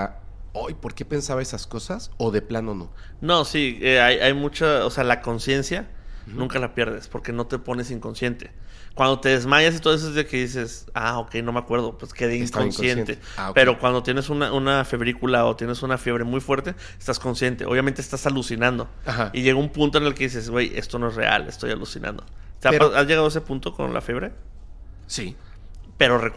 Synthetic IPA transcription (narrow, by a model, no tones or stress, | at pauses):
ojpo̞ɾke̞pe̞nsaβaesasko̞sasoðe̞planono̰ | no̞sieajʔajmut͡ʃaosealako̞nsje̞nsjanũŋkalapje̞ɾð̞e̞spo̞ɾke̞no̞t̪e̞po̞ne̞siŋko̞nsje̞nt̪e̞kwand̪o̞t̪e̞ðe̞zmaʝas̬it̪oes̬oezðeke̞ðis̬e̞sa̰o̞ke̞jno̞meakwe̞ɾð̞o̞pweskeðeiiŋŋkaosjent̪e | aope̞ɾo̞kwand̪o̞t̪je̞nesunaʔunafe̞βɾikulaot̪je̞ne̞sunafje̞βɾe̞mujfwe̞ɾt̪e̞ | est̪asko̞nsje̞nt̪e̞oβjamẽnt̪eːst̪asalusinãnd̪o̞ | aaiʝe̞ɣoumpũnt̪oenelke̞ðis̬e̞sɡweje̞̰st̪o̞no̞e̞sre̞̰a̰lest̪o̞jalusinã̰nd̪o̞̰aazjʝe̞ɣaðoes̬epunt̪o̞ko̞̰nla̰fje̞βɾe̞ | si | pe̞ɾo̞re